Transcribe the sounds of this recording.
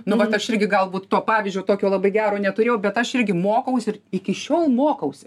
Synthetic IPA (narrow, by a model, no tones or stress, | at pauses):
nʊʋɐt̪ɐʃɪɾʲɡʲɪɡɐlˠbuːt̪t̪oːpɑːʋʲiːzʲd͡ʒʲoːt̪oːkʲoːlˠɐbɐɪɡʲæːɾoːnʲɛt̪ʊɾʲeːjɛʊbʲɛt̪ɐʃɪrʲɡʲɪmoːkɐʊsʲɪrɪkʲɪʃʲoːlˠmoːkɐʊsʲɪ